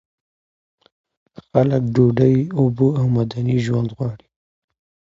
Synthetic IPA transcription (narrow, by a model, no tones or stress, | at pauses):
xaləkɖoɖajʊbuawmad̪aniʒwand̪ɣwɑɽi̥